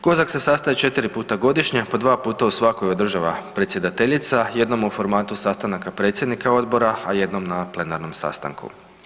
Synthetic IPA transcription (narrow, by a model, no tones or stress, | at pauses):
ko̞zakse̞sast̪ait͡ʃe̞t̪iɾipuːt̪aɡo̞d̪iʃɲepo̞d̪ʋaːpuːt̪ausʋako̞jod̪r̩ʒaʋapɾetsʲje̞d̪at̪e̞ʎit̪saje̞d̪no̞mufo̞ɾmaːt̪usast̪anakapɾe̞ːt̪sjed̪nikao̞d̪bo̞ɾaaje̞d̪no̞mnaplˠe̞naɾno̞msa̰st̪a̰ŋkṵ